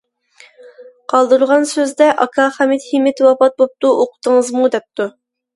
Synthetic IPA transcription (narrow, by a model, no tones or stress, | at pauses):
qʰɑlˠd̪uɾʁɑnsøzd̪ɛʔɑkʰɑχæmit̪himːɪt̪ʰwɑpɑt̪̚bop̚t̪uʔoqʰʊ̥t̪əŋəzmud̪ɛp̚t̪u